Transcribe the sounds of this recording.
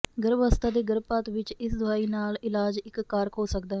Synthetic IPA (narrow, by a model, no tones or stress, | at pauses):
ɡəɾbəst̪aːd̪eːɡəɾbpaːt̪ʋɪt͡ʃɪsd̪ʊaːiːnaːlɪlaːd͡ʒɪkːaːɾkʰɦoːsək̚d̪aː